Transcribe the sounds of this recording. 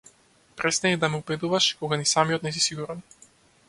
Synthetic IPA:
pɾɛst̪aid̪amɛubɛd̪uvaʃkɔɡanisamijɔt̪nɛs̬isiɡuɾan

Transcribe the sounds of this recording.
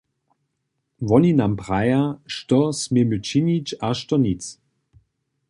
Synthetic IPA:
vɔninampʁajaʃtɔsmemət͡ʃinit͡ʃaʃtɔnit͡s

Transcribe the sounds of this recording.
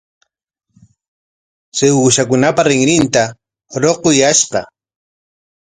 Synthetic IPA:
sewuːʃakʊnapaɾɪŋɾɪnt̪a | ɾoqojaʃqɑ̰

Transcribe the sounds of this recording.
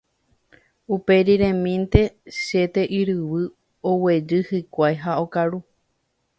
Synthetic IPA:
upe̞ɾiɾẽmĩnt̪e̞ʃe̞t̪e̞ʔiɾɨwɨ | owe̞d͡ʒɨhɨkʷajɦao̞kaɾu

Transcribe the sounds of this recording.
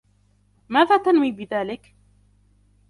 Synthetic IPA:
maːðaːt̪anwiːbɪðaːlɪk

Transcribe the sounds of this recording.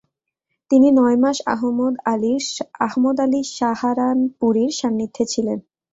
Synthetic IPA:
t̪ininɔemaʃa̰ɦmod̪aliaɦmod̪aliʃahaɾanpuɾiɾʃamnit̪ʰːet͡ɕʰilen

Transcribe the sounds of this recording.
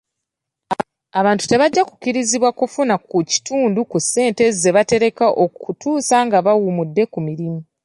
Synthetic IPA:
aβaːntu̥te̞βaɟːaku̥ciɾiziβwakufunakuci̥tuːndukusːe̞ːnte̞ze̞βate̞ɾe̞kaʔo̞utʰuːsaŋɡaβawumudːe̞kumiɾimu

